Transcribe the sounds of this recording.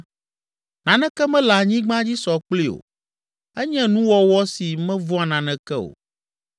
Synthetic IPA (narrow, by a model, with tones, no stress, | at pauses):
nã˨nɛ̃˦kɛ˦mɛ̃˦la˨ɲĩ˦ɡ͡bã˦d͡ʑi˦sɔ˨k͡pli˦o̰˨ | ɛ˦ɲɛ̃˦nũ˦wɔ˦wɔ˦si˨mɛ̃˦vɔ˦a˨nã˨nɛ̃˨kɛ˦o̰˨